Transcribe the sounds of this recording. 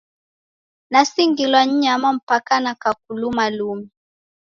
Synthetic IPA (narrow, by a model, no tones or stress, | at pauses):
nasiŋɡilwaɲ̩ɲamam̩pakanakak̚ulumalumi